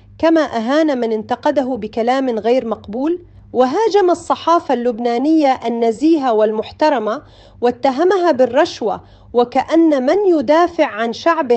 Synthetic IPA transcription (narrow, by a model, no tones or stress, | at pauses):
kamaʔaɦaːnamɪnɪnt̪ɑqɑd̪aɦʊbɪkalaːmɣaːɾmɑqbuːl | wɪɦaːd͡ʒamɑsˤːɑħɑːfalːʊbnaːnɪjːaʔanːaziːɦawɪlmʊħt̪ɑɾˤɑma | wɪt̪ːaɦamaɦabɪrˤːɑʃwa̰ | wɪkaʔanːamɪnjʊd̪aːfɪʕʕanʃaʕbɪ